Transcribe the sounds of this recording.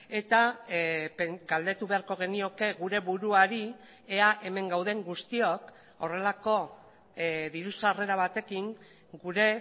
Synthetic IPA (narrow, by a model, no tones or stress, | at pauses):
e̞t̪a | peɡald̪e̞t̪uβe̞aɾko̞ɣ̞e̞nio̞ke̞ɣuɾe̞βuɾuaɾi | eaʔe̞me̞ŋɡawð̞e̞ŋɡust̪io̞k | o̞re̞lako̞ | ðiɾusare̞ɾaβ̞at̪e̞kiŋ | ɡuɾe̞